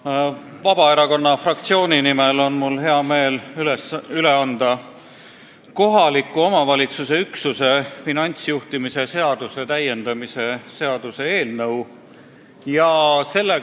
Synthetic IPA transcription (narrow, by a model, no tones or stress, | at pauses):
vɑb̥ɑe̞ɾɑko̞nːɑfrɑkt̪sio̞ːnʲinimelo̞nmulɦe̞ɑme̞ːlylyleɑnd̪̥ɑ | ko̞ɦɑlikːˑuomɑvɑlʲit̪suse̞yksuse̞finɑnʲt̪sjuht̪imise̞se̞ɑd̪̥use̞t̪æje̞nd̪̥ɑmise̞se̞ɑd̪̥use̞eːlnɤw | jɑse̞lːe